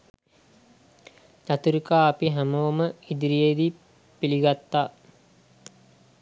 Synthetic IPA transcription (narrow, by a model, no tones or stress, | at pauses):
t̪at̪uɾikaːpiɦæmoməid̪iɾijed̪i | piliɡat̪ːaː